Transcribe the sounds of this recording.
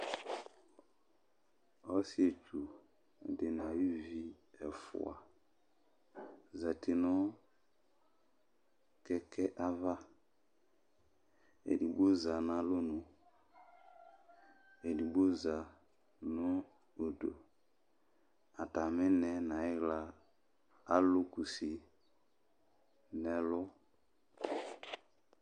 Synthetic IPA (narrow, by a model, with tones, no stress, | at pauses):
ɔ˦si˦e˨t͡ʃu˨ | de˨na˨i˦vi˦ | ɛ˨fṵ˨a̰˨ | za˨te˨nɔ˦ | kɛ˦kɛ˦ʔa˦va˦ | ḛ˨di˨ɡ͡bo˦za˨na˨˦lo˦nu˨ | e˨di˨ɡ͡bo˦za˨ | no˦ | o˨do˨ | a˨ta˨mɛ˦nɛ˨na˨i˦ɡlaː˨˦ | lu˦ku˨si˨ | nɛ˨˦lʊ˦